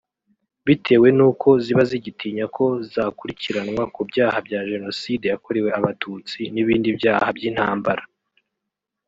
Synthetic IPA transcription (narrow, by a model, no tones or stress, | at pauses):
βitʰe̞ːwe̞nuːkʰo̞ziβaziɟitʰiːɲakʰo̞zaːkuɾiciɾanŋwakubjaːhabjaːʒe̞no̞side̞jako̞ɾewe̞aβatʰut͡siniβiːndibjaːhabɟiːn̥haːmbaɾa